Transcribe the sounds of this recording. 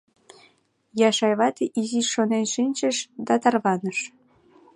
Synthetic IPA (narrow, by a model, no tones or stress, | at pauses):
jɑʃɑjβɑt̪eʔiziʃʃonenʃinʲt͡ɕəʃd̪ɑt̪ɑrβɑnəʃ